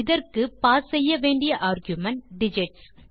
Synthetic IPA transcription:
ɪðɐrkɯpaːsɛjːɐʋeːɳɖɪjɐʔaːɾɡjʊmɐɳɖɪd͡ʒɪʈs

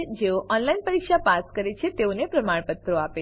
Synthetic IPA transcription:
d͡ʒeoʔɔnlainpəɾikʃapaskəɾet͡ʃʰet̪eonepɾəmaɳpət̪ːɾoape

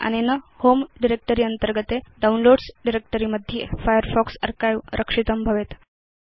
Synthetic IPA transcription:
a̰ñenəhomɖiɾek̚ʈəɾiːənt̪əɾɡət̪eɖaunloɽsɖiɾek̚ʈəɾiməd̪ʱːjefajəɾfɔksə̰ɾkajʋɾʔəkʂit̪əmbʱəʋet̪

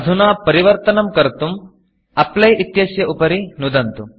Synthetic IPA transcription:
ɐd̪ʱunaːpɐɾiʋɐɾt̪ɐnɐmkɐɾt̪um | ɐplɐjʔit̪jɐsjɐʔupɐɾinud̪ɐnt̪um

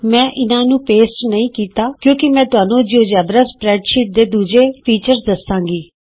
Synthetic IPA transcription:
mɛ̃ːʔɪnãːnũːpeːsʈnəĩːkiːt̪aːkjõːkɪmɛ̃ːt̪ʊɦaːnõːd͡ʒioːd͡ʒɛːbɾəspɾɛːɖʃɪʈ̚d̪eːd̪uːd͡ʒeːpʰiːt͡ʃəɾsd̪əsːãːɡiː

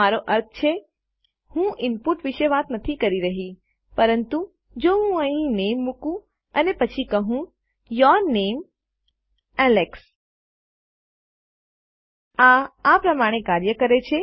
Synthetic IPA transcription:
aɾoʔəɾt̪ʰt͡ʃʰe | hũʔɪnpuʈʋiʃeʋat̪nət̪ʰikəɾiɾəɦi | pəɾənt̪u | d͡ʒoɦũəɦĩnemːũkũ | ənepət͡ʃʰikəɦũ | jəɾnem | ɛleks | aːpɾəmaɽ̃ekaɾjəkəɾet͡ʃʰe

